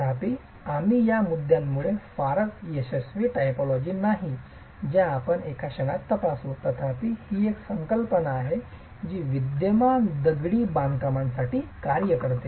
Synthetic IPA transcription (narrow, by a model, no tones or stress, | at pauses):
ət̪ʰapiː | amijamud̪ʱjamːuɭefaɾət̪jeɕəsʋiːʈajpɔlɔd͡ʑiːnaɦi | d͡ʑjãːpənekʰaɕəŋat̪ːəpasut̪ət̪ʰapihiːeksəŋkəlpənaːɦe | d͡ʑiːʋid̪jəmand̪əɡɽiːbãnd̪kamansaʈiːkaɾjəkəɾt̪e